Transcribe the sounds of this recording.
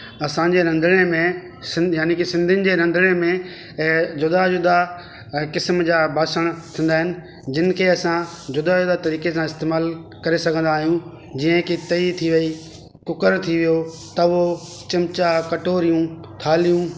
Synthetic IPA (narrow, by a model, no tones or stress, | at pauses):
ɐsãɲd͡ʑeɾɐ̃nd̪ʱɽ̃emẽ | sɪ̃jaːnikɪsɪ̃nd̪ʱɪnɪ̆d͡ʑeːɾɐ̃nd̪ʱɪɽ̃emẽ | d͡ʑʊd̪ad͡ʑʊd̪a | kɪsmd͡ʑaːbʱaːsəɽ̃t̪ʰĩːn̆d̪aːɦɪnɪ̆ | d͡ʑɪnɪ̆kʰeːɐsã | d͡ʑʊd̪ad͡ʑʊd̪at̪ɐɾiːkesãɪst̪eːmaːlkɐɾesɐɡʱə̃nd̪aːɦijũ | d͡ʑiːə̃ekit̪ɐit̪ʰiʋɐi | kʊkəɾt̪ʰiʋijo | t̪ɐʋo | t͡ɕɪmt͡ɕakɐʈoːɾijũ | t̪ʰaːlijũ